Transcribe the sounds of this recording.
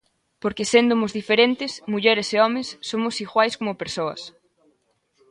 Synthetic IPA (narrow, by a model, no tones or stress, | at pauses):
poɾkesend̪ʊmʊzðifeɾent̪ɪsmuʎɛɾɪseɔmesːomʊsiɣwajskomʊpeɾsoɐ̰s